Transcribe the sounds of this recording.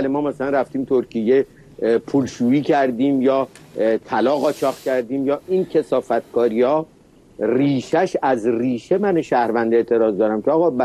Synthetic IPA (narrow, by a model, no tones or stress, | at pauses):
lemɒːmæsælænræft̪iːmt̪ʰoɾcʰijːe | pʰuːlʃuːiːcʰæɾd̪iːmjɒːt̪ʰælɒːɣɒːt͡ʃʰɒːχcʲʰæɾd̪iːmjɒːincʰe̞sɒːfæt̪̚ʰkʰɒːɾiɒː | riːʃæʃæzriːʃe̞mæneʃæhɾvænd̪eeːt̪ʰe̞ɾɒːzd̪ɒːɾæmcʰeɒːɣɒːbæ